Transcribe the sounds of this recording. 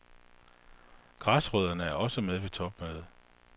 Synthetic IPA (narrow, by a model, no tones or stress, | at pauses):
ɡ̥ʁɑ̈sʁœð̞̰ˠɐnəæɐɒ̽səmeðˠʋe̝t͡sʰɒ̽b̥møð̩ˠ